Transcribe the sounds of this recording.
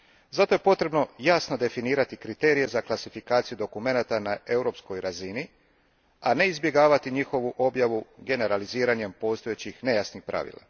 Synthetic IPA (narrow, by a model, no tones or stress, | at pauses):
zat̪o̞je̞po̞t̪ɾe̞bno̞jasno̞d̪e̞finiːɾat̪ikɾit̪e̞ːɾije̞zaklˠasifikaːt̪sijud̪o̞kume̞nat̪anaʔe̞wɾo̞psko̞jɾazini | ane̞izbje̞ɡaːʋat̪iɲixo̞ʋuʔo̞bjaʋuɡe̞ne̞ɾaliziːɾaɲe̞mpo̞ːst̪ojet͡ɕixne̞jasnixpɾʔa̰ʋḭlˠa̰